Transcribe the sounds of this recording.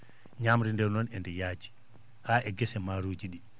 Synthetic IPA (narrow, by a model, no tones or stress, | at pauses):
ɲamɾindɛɾnɔnɛndɛjaːd͡ʒi̥ | haʔɛɡɛsɛmaɾuːd͡ʒiɗi